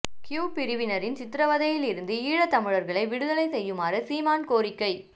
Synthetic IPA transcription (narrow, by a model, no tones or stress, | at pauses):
kjuːpɪɾɯʋɪnɐɾɪnt͡ʃɪt̪ːɾɐʋɐðɐjɪlɪɾɯnd̪ɯiːɻɐt̪ːɐmɪɻɐɾɣɐɭɐɪʋɪɽɯðɐlɐɪsɛjːɯmaːɾɐsiːmaːnkoːɾɪkːɐɪ